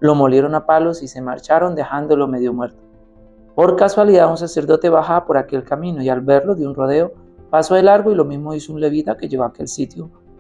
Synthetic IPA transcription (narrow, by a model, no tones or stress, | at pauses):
lo̞mo̞lje̞ɾo̞napalo̞sise̞ma̰ɾt͡ʃaɾo̞nd̪e̞xand̪olo̞me̞ðjo̞mwe̞ɾt̪o̥ | po̞ɾkaswaliðauns̬ase̞ɾd̪o̞t̪e̞βaxaapo̞ɾake̞lkamĩno̞ialbe̞ɾlo̞ðjunro̞ðe̞o̞ | pasoelaɾɣoilo̞mizmo̞isounle̞βit̪ake̞ʝeɣoake̞̰lsit̪jo